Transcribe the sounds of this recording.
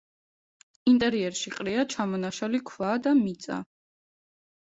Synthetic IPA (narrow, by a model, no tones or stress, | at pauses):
int̪ʼɛɾiɛɾʃiqʼɾiat͡ʃʰamɔnaʃalikʰvad̪amit̪sʼa̰